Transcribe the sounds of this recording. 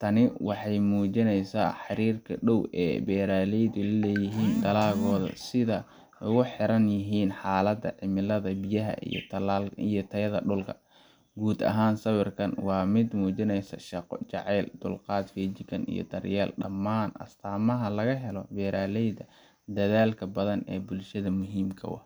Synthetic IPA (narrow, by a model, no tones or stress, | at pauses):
t̪ʰɐnɪwɑħɑjmuːt͡ʃɪnɛjsa̰ːħɑɾiːrkʰɐɖɔwɛ̰ːbɛːɾaːlɛjd̪ʊlɐlɛːjɪɦiːnd̪ɐlaːɣɔːðɐ̰sɪðɐ | ʊɣʊħɪɾɐnjɪɦiːnħaːlɐd̪ɐ̰ʕɪmɪlɐðɐbɪjɐɦɐ̰ḭjɔ̰t̪ʰɐlaːlijɞt̪ʰɐjɐðɐɖʊlkʰɐ | ɡuːd̪ɐ̰ɦaːnsɐwɪrkʰɐnwɑːmɪd̪muːt͡ʃɪnɛjsɐ̰ʃɑqt͡ʃɑʕɛjld̪ʊlqɑːd̪fiːt͡ʃɪkʰɐnḭjɞ̰d̪ɐrjɛːlɖɐ̰mːaːnɐ̰st̪ʰaːmɐɦɐlɐɣɐɦɛlɔbɛːɾaːlɛjd̪ɐ | d̪ɐðaːlkʰɐbɐðɐnɛ̰ːbʊlʃɐðɐmʊɦiːmkʰɐ̰wɑ̰h